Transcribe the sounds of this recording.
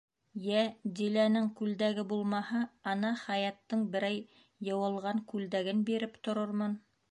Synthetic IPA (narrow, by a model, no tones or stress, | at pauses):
jæd̪ilænɘŋkʉld̪æɡɘbulˠmɑhɑɑnɑχæjɑt̪ːɤɴbɘ̆ɾæjː | ɤ̆wɤ̆lˠʁɑŋkʉld̪æɡɘnbiɾɘpt̪ŏɾɤɾmɤn